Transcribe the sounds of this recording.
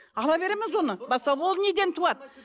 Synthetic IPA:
ɑlˠɑbe̞ɾemɪzwo̞nəbɑsɑwolˠned̪ent̪ʰuɑt̪

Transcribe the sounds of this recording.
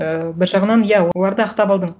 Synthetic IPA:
əbɪɾʒɑʁənɑnjæwoolˠɑɾd̪əɑqt̪ɑpɑlˠd̪əɴ

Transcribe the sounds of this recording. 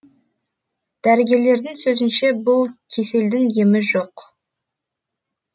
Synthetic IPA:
d̪̥æɾɪɡʲe̞ɾle̞ɾd̪ɪŋsɵzɪnʃe̞bʊlˠkʲʰe̞se̞ld̪ɪŋje̞mɪʒoq

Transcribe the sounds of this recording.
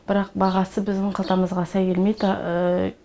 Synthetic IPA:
b̥ɪɾɑqbɑʁɑsəbɪzd̪ɪɴqʰɑlˠt̪ɑməzʁɑsɑjkʲʰe̞lmejd̪

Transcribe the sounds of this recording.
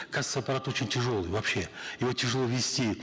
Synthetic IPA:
kazɨt̪səɐpɐɾat̪o̞t͡ɕɪnʲtʲɪʐo̞lˠɨjvɐpɕːe̞jɪvotʲɪʐɨlˠovʲɪsʲtʲi

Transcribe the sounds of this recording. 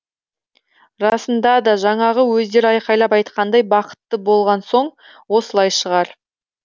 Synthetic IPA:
ɾɑsənd̪ɑd̪ɑʒɑɴɑʁəwɵzd̪e̞ɾɪɑjqɑjlˠɑpɑjt̪̚qɑnd̪ɑjbɑqə̥t̪ːəbo̞lˠʁɑnso̞ɴ | wo̞səlˠɑjʃəʁɑɾ

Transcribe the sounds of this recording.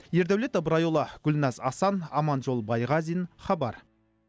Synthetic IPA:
je̞ɾd̪æwlet̪əbɾɑjolˠɑɡ̥ʲʊlnɑzɑsɑnɑmɑnʒo̞lˠbɑjʁɑzijnχɑbɑɾ

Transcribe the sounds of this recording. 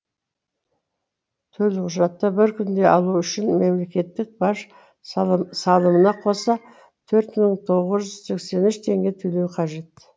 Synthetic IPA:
t̪ʰɵlqʰʊʒɑt̪ːəbɪɾkʲʰʏnd̪e̞ʔɑlˠuʏʃɪnme̞mle̞kʲe̞t̪ːɪk̚bɑʃ | sɑlˠəmənɑqʰo̞sɑ | t̪ʰɵɾt̪məɴt̪ʰo̞ʁəzʒʏz̥se̞kse̞nʏʃt̪ʰe̞ŋɡʲe̞t̪ʰɵlewqʰɑʒe̞t̪

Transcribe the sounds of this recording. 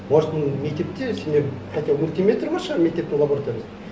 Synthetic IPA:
bɑɾt̪ənme̞k̚t̪e̞p̚t̪ese̞nd̪eɾqʰɑjt̪elmʊlʲt̪imʲe̞t̪ɾbɑʃəmekt̪e̞p̚t̪ɪŋlˠabo̞ɾat̪ojɾijz

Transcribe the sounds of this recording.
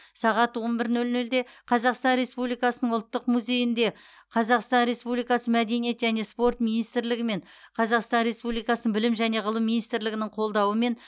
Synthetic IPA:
sɑʁɑt̪wo̞nbɪɾnɵlnɵld̪e̞qʰɑzɑqst̪ɑnɾe̞spublijkɑsənəɴʊlˠt̪ːəqmuzʲe̞jɪnd̪e̞ | qʰɑzɑqst̪ɑnɾe̞spublijkɑsəmæd̪e̞nije̞t̪ʒæne̞spo̞rt̪minijst̪ɾlɪɡʲɪme̞ɴ | qʰɑzɑqst̪ɑnɾe̞spublijkɑsənəɴbɪlɪmʒæne̞ʁəlˠəmːinist̪ɾlɪɡʲɪnɪɴqʰo̞lˠd̪ɑwəme̞n

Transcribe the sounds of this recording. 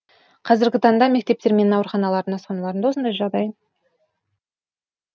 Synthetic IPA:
qʰɑzɪɾɡʲɪt̪ʰɑɴd̪ɑme̞k̚ʲt̪e̞p̚t̪e̞ɾmenɑwəɾχɑnɑlˠɑɾd̪ənɑsqɑnɑlˠɑɾənd̪ɑwo̞sənd̪ɑjʒɑʁd̪ɑjn

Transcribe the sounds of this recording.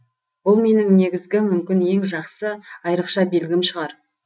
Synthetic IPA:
bʊlˠme̞nɪŋne̞ɡʲɪzɡʲɪmʏmkʲɪnje̞ŋʒɑqsəɑjɾəqʃɑbe̞lɡʲɪmʃəʁɑɾ

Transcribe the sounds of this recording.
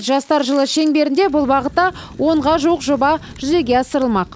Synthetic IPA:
ʒɑst̪ɑɾʒəlˠəʃe̞ŋbe̞ɾɪnd̪e̞bʊlˠbɑʁət̪ːɑ | wʔo̞ɴʁɑʒuwəqʒobɑ | ʒ̥ʏze̞ɡʲe̞ɑsəɾəlˠmɑq

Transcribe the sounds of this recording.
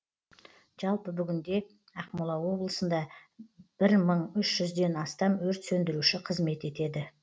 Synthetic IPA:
ʒ̥ɑlˠpəbʏɡʲɪnd̪e̞ | ɑqmulˠɑwo̞blˠəsənd̪ɑ | b̥ɪɾməɴʏʃʒʏzd̪e̞nɑst̪ɑmwɵɾt̪sɵnd̪ɪɾuʃɪqʰəzme̞t̪e̞t̪e̞d̪ɪ

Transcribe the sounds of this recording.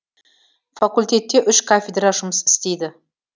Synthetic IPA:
fakulʲt̪ʲe̞t̪ːe̞ʔʏʃkʰafʲed̪raʒʊməsɪ̥st̪e̞jd̪ɪ

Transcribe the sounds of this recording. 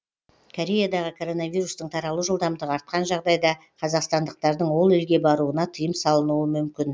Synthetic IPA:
kʰo̞ɾʲe̞jad̪ɑʁəkʰo̞ɾo̞navijɾust̪əɴt̪ʰɑɾɑlˠəʒəlˠd̪ɑmd̪əɑɾt̪̚qɑnʒɑʁd̪ɑjd̪ɑ | qʰɑzɑqst̪ɑnd̪əq̚t̪ɑɾd̪əɴwo̞lˠɪlɡʲe̞bɑɾuənɑt̪ʰəjəmsɑlˠənuəmʏmkʲɪn

